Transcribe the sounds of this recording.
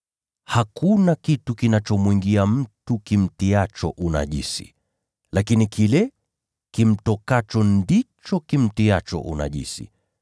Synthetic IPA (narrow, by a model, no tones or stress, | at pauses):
hakunakitukinat͡ʃɔmwiŋɡiam̩tukim̩tiat͡ʃɔ̰ʔuna̰ʄḭsḭ | lakinikʰilɛ | kim̩tɔkat͡ʃɔndit͡ʃɔkim̩tiat͡ʃɔ̰ʔṵna̰ʄḭsḭ